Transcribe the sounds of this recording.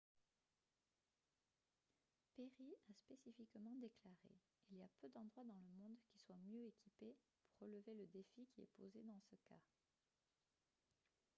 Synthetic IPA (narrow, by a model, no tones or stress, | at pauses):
peʁiaspesifikmɑ̃d̪eklaʁḛ | iliapød̪ɑ̃d̪ʁwad̪ɑ̃ləmɔ̃d̪kʲiswamjøekʰʲipe | puʁːələveləd̪efikʲiɛ̰pozed̪ɑ̃səka̰